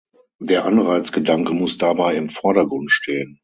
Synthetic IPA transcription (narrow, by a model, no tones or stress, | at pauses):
deːɐʔanʁaɪt͡sɡ̥ədaŋkəmʊsd̥abaɪɪmfɔɐɾɐɡʁʊntʃtʰeːən